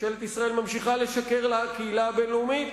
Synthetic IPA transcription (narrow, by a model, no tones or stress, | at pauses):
ʃelet̪isʁaʔe̞lmamʃiχale̞ʃakeʁlakeilabelumit̪